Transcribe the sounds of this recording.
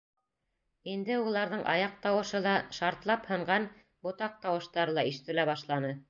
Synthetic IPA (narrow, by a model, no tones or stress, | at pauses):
ind̪ɘulˠɑɾðɤɴʔɑ̰jɑq̚t̪ɑwɤ̆ʃɤðˠɑʃɑɾt̪lˠɑphɤ̆ɴɢɑn | bŏt̪ɑq̚t̪ɑwɤ̆ʃt̪ɑɾɤlˠɑiʃɘ̥̆t̪ɘ̆læβɑʃlˠɑnɤ